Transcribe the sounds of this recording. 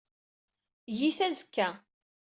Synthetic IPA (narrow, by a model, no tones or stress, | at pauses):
jiθæzəkːæ